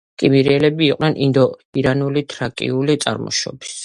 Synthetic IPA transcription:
kʼimiɾiɛlɛbiːqʼnɛnʔind̪ɔiɾanulit̪ʰɾakʼḭulit̪sʼa̰ɾmɔ̰ʃɔ̰bi̥s

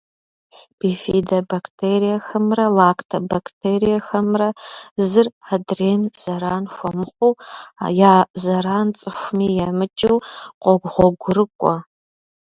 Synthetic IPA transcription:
b̥ifidɐbaktʰeːɾijɐxɐmrɐlaːkʰtʰɐbakʰtʰeːɾijɐxɐmrɐzɨradreːmz̥ɐɾaːnxʷɐmɨχʷow̰jaːzɐɾaːnt͡sʼɨʃʷmiːjɛmɨt͡ʃʼɨwqʷɔɡʷʁʷɔɡʷʊɾɨkʷʼɔ

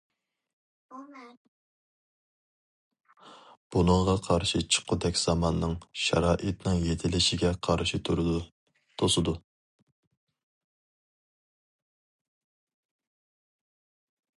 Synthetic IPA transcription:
b̥unɨŋʁɑqʰɑɾʃit͡ʃʰə̥qʰʊd̪ɛkʲz̥ɑmɑnːɨŋʃɑ̰ɾɑːʔit̪nɨŋjet̪ʰɪlɪʃɪɡʲɛqʰɑɾʃit̪ʰuɾ | t̪ʰosɨd̪u

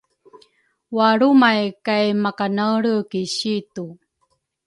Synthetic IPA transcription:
waɾumajkajmakanaɭəkiɕitu

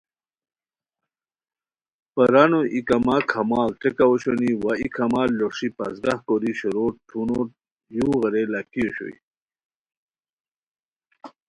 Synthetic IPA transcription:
pəɾanoʔikamakʰɐmaːkʈekaoɕoniwaikʰɐmalːoʂipɐ̰zɡahkoɾiɕoɾoʈʰuno | juɣəɾelakioɕo̰ḭ

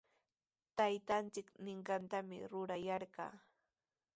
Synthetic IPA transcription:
t̪ajt̪ant͡sɪknɪɴɢɑnt̪amɪ̰ɾʊɾajɑɾɢɑ̰ː

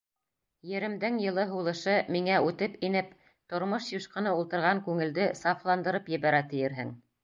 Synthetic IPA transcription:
jɘ̆ɾɘ̆md̪ɘŋjɤ̆lˠɤɦulˠɤ̆ʃɤmiŋæʉt̪ɘpinɘp | t̪ŏɾmoʃjŭʃqɤ̆nɤulˠt̪ɤ̆ɾʁɑŋkʉŋɘ̆ld̪ɘsɑflˠɑnd̪ɤ̆ɾɤpjɘ̆βæɾæt̪ɘ̆jɘ̆ɾɦɘ̰ŋ

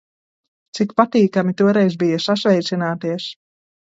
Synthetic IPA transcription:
t̪sikpat̪iːkamit̪uɔɾɛjzbijasasvɛjt̪sinaːt̪iɛs

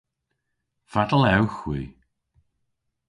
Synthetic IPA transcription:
fadəlˠɛwxwiː

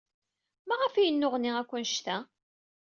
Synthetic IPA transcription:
mæʁəfijənːʊʁnːiækʷːʊnʃt̪æ

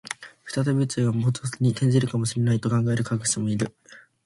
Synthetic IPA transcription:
ɸɯ̟̥t̪at̪abʲit͡sɨːɡamot͡sɨsɨɲ̟it̪ẽ̞ɲ̟d͡ʑiɾɯ̟kamo̞ɕiɾe̞nait̪o̞kãŋɡae̞ɾɯ̟kakɯ̟̥semo̞iɾɯ̟

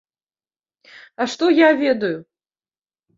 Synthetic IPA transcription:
ɐʂt̪ɔjavʲɛd̪ɐju

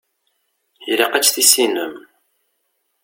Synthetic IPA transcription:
liqæt͡ʃːθisinəm

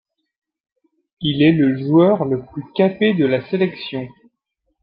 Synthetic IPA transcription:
ilɛləʒuœʁləplykaped̪əlaselɛksjɔ̃

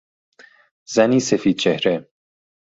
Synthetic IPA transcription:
z̥æniːsefiːd̪̚t͡ʃʰehɾe

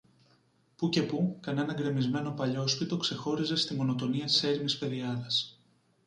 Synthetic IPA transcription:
puce̞pukɐne̞nɐɡɾe̞mizme̞no̞pɐʎo̞spit̪o̞kse̞xo̞ɾize̞st̪imo̞no̞t̪o̞niɐt̪i̥se̞ɾimispe̞ðiɐðɐs

